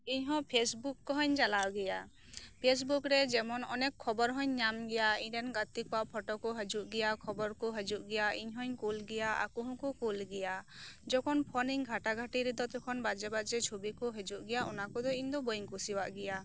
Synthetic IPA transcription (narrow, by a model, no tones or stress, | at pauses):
iɲɦɔ̃pʰesbukːɔɦɔɲd͡ʒalawɡɛja | pʰes̬bukɾɛd͡ʒɛmɔnɔnɛkʰːɔbɔɾɦɔ̃ɲːamɡɛjaiɲɖɛnɡat̪ik̚aʔpʰɔʈɔkɔɦəd͡ʒuʔɡɛjakʰɔbɔɾkɔɦəd͡ʒuʔ̚ɡɛjaiɲɦɔɲkulɡɛjaa̰kuɦɔ̃kɔkulɡɛjad͡ʒɔkʰɔnpʰɔniŋɡʱaʈaɡʱaʈiɾɛd̪ɔt̪ɔkʰɔnbad͡ʒɛbad͡ʒɛt͡ʃʰubikɔɦəd͡ʒuʔɡɛjaʔɔnakɔd̪ɔiɲd̪ɔbɔjiŋkusiwaʔɡɛja